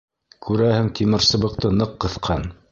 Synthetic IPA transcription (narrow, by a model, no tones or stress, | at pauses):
kʉɾæhɘŋt̪imɘ̆ɾsɤ̆βɤ̆q̚t̪ɤnɤqːɤ̆θqʰɑn